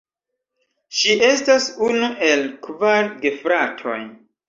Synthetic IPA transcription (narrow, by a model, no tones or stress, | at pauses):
ʃiʔe̞stasunuʔe̞lkvaɾɡefɾatʰo̞̰j